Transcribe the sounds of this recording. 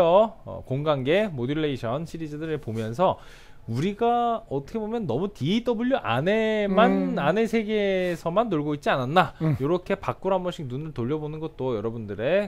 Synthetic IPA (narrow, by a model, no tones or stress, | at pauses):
ʌ̰koŋɡaŋɡe̞modɯɭːeiɕʰʌnɕʰiɾid͡ʑadɯɾeɭpomjʌnsʰʌ | uɾiɡaʌt͈ʰʌkʰe̞bomjʌnːʌmutiit͈ʌbɯʎjʌʔa̰nemanane̞sʰe̞ɡesʰʌmanːoɭɡoit̚t͡ɕ͈iananːajoɾʌkʰe̞pak͈̚uɾɦambʌɕʰiŋnunɯɭtoʎːʌbonɯnɡʌt̚t͈ojʌɾʌbundɯɾe̞